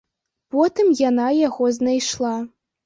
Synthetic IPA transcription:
pɔt̪ɨmjanajaɣoznajʃlˠɑ

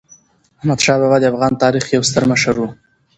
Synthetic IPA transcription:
ahmad̪ʃɑbɑbad̪əafɣɑnt̪ɑɾixjawst̪əɾmaʃaɾu

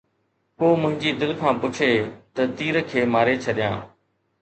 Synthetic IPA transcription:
koːmʊ̃ɦɪ̃ɲd͡ʑid̪ɪlkʰãːpʊt͡ʃʰeːt̪ɐt̪iːɾəkʰeːmaːɾet͡ɕʰɐɗijã̰ː

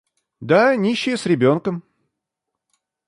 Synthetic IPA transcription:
d̪anʲiɕːɪjəsɾʲɪbʲo̞nkəm

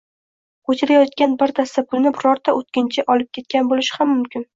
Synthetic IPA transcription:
kʰot̪ʰɪɾajɒt̪̚kʲanbɪɾd̪aɾsapʰʊlnɪbɪɾɒɾt̪ʰaʔot̪̚kʲɪnt͡ʃʰɪʔɒlɪp̚kʲe̞t̪̚kʲanbolɪʃɪ̥hamːʊmkʲɪn

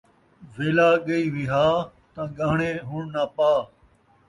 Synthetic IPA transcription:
ʋeːlaːɠəiːʋiɦaːt̪ãːɡaːɳẽːɦʊɳnaːpaː

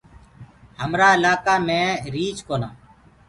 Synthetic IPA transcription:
həmɾaːɪlaːkaːmẽːɾiːt͡ʃkoːnaː

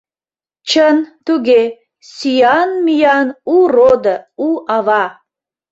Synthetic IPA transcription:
t͡ɕənt̪uɡe | sijɑnmijɑnurod̪əuʔɑvɑ

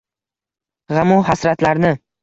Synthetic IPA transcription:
ʁamuhasɾat̪laɾnɪ

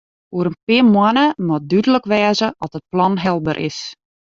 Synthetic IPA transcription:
uəɾənpɪəmwanəmɔdydələkʋɛːzəʔɔtət̚plɔnɦɛlˠbə̰rʔɪ̰s

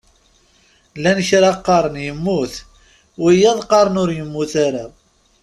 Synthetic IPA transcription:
lænçɾɑqːɑɾˤənjəmːuθ | wijːæðˤqɑɾˤənʊɾjəmːuθaɾa

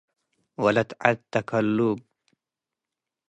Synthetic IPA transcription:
walat̪ʕat̪ːakalːub̚

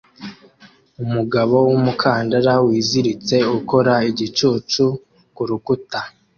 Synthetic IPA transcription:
umuɡaβo̞wumukʰaːndaɾawiːziɾit͡se̞uko̞ɾaiɟit͡ʃuːt͡ʃu | kuɾukuta

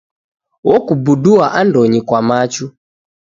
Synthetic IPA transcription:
wɔkubuduaʔandɔɲikwamat͡ʃu

